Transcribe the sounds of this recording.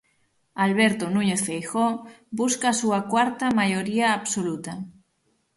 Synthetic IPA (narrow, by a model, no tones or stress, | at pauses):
alβeɾt̪onũɲeθfejxobuskasuakwaɾt̪amajoɾiaːβsolut̪a